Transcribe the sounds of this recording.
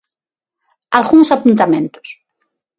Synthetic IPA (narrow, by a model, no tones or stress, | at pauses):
alɣunsapunt̪amẽnt̪o̥s